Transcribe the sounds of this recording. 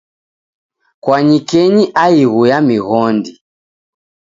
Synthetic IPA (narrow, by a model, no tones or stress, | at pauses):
kwaɲikɛɲiʔaiɣujamiɣɔndi